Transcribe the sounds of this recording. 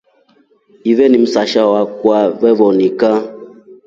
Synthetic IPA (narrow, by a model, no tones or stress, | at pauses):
ivɛnim̩saʃawakwavɛβɔnika